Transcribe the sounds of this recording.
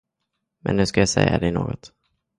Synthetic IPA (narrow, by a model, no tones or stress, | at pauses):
mɛnːʉ̟ːskajasɛjːad̪ɛnoːɡɔt̪